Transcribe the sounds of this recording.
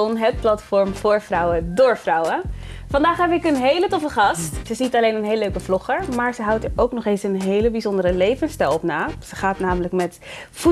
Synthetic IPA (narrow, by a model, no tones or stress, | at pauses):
ɔnɦət̚plɑtfɔɹmvʊːɹvrʌwədʊːɹfrʌwəfɑndaːχɦɛbɪkənɦejlətɔfəχɑstsəɪsnitɑlejnənɦejləløɥkəvlɔχəɹmaːɹzəɦʌwtəɹowknɔχejnsənɦejləbizɔndəɾəlejvənstɛlˠɔpnaːz̥əχaːtnaːmələkmɛt | fu